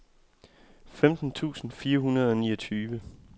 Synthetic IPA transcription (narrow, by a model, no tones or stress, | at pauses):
femd̥n̩t͡sʰṵːsn̩fiːɐɦunɐð̞ˠɒ̽nḭːɐt͡sʰyːʋə